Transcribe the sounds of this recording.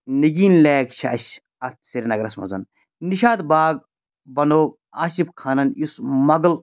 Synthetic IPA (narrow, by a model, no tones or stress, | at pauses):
niɡiːnleːɡt͡ʃʰiɐɕ | ɐt̪ʰsiɾʲnɐɡɾɐsmɐ̰zɐ̰n | niʃaːd̪baːɡ̚ | bɐnoː | aːʃibkʰaːnɐnjismɐɡl